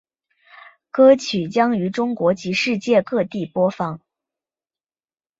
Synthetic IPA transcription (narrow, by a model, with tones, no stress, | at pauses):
kɤ˥t͡ɕʰy˨˩t͡ɕjɑ˥ŋy˧˥ʈ͡ʂʊ˥ŋkwɔ˧˥t͡ɕi˧˥ʂɻ̩˥˧t͡ɕjɛ˥˧kɤ˥˧t̪i˥˩pwɔ˥fɑ˥˩ŋ